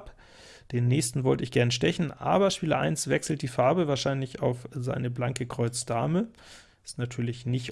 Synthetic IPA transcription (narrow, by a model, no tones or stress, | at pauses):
p | d̥eːnːɛːçstn̩vɔltəɪçɡ̥ɛɐnəʃtɛçn̩ʔa̰ːbɐʃpiːlɐʔa̰ɪnsv̥ɛksl̩t̚d̥iːfaɐbəvaːɐʃaɪnlɪçaʊfza̰ɪnəblaŋkəkʁ̥ɔʏt͡sd̥aːmə | ɪstnatʰyːɐlɪçnɪç